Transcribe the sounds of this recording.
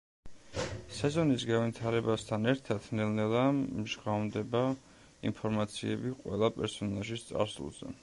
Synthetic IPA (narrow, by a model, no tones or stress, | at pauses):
sɛzɔnisɡavit̪ʰaɾɛbast̪ʰanɛɾt̪ʰat̪ʰnɛlnɛlˠamʒʁamd̪ɛba | ḭmpʰɔɾmat̪sʰiɛbiqʼwɛ̰lˠapʼɛɾsɔnaʒist̪sʼa̰ɾsṵlˠz̥ɛ̰